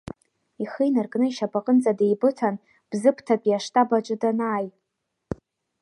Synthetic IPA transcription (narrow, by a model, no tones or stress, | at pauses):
iχijnarkʼnɨiʃapʼaqʼənt͡sʼadejbɨtʰan | b̥zɨpʰtʰapʼjaʂtʰʼabat͡ʃʷʼɨdanaːj